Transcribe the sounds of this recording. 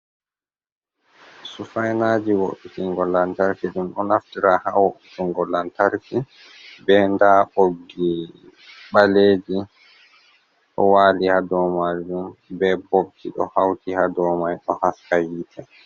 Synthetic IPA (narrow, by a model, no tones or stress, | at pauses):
sufajnaːd͡ʒiwoɗitiŋɡɔlːantaɾkiɗumɗɔnaftiɾahawoɓitiŋɡɔlːantaɾki | bɛndaːʔoɡi | ɓaleːd͡ʒi | ɗɔ̰waːlihadɔmaɗumbɛboɓkʰiɗɔ̰hawtihadɔːmajɗɔhaskajiːtʰɛ